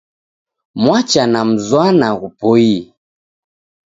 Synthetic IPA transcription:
mwat͡ʃanam̩zwanaɣupɔi

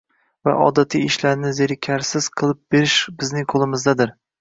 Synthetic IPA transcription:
va̰ʔɒ̰d̪at̪ʰiɪʃlaɾnɪzeɾɪkʲʰaɾsɪz̥qʰɨlˠɪp̚be̞ɾɪʃbɪznɪŋqʰolˠɪmɪzd̪ad̪ɪɾ

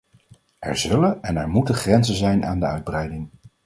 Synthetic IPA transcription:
ɛ̰ɹzɵlənɛnɛɹmutəχrɛnzənzɛjnʔa̰ːndəœ̰ɥd̚brɛjdɪŋ

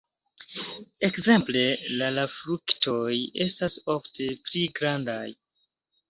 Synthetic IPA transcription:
e̞kze̞mple̞lalafɾuktʰo̞je̞staso̞ftʰe̞pliɡɾandaj

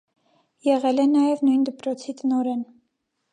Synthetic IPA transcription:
jɛʁɛlɛnɑjɛvnujnd̪əpɾɔt͡sʰit̪ənɔɾɛn

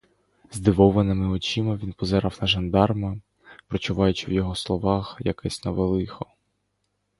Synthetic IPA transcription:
zd̪ɪʋɔʋɐnɪmɪɔt͡ʃimɐʋʲinpɔzɛɾɑwnɐʒɐnd̪ɑrmɐ | pɾɔt͡ʃʊʋɑjʊt͡ʃɪwjɔɦɔslˠɔʋɑxjɐkɛsʲnɔʋelˠɪxɔ

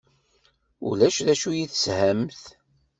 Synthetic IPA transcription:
ṵlæʃðæʃujiθshæmθ

